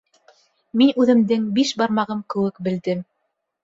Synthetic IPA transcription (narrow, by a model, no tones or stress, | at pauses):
minʉðɘ̆md̪ɘŋbiʃbɑɾmɑʁɤmkɘ̆wɘkbɘ̆ld̪ɘm